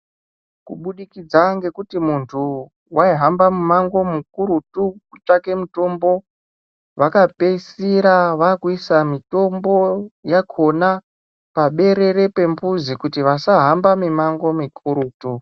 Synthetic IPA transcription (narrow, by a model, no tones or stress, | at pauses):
kuɓuɗikid͡zaŋɡe̞kutimuntʰu | wʔaiɦambamumaŋɡo̞muk̚uɾutukut͡ʂake̞muto̞mbo̞ | ʋakapeisiɾaʋakuisamito̞mbo̞jakʰo̞na | paɓe̞ɾe̞ɾe̞pe̞mbuzikutiʋasaɦambamimaŋɡo̞mikʰuɾuːtu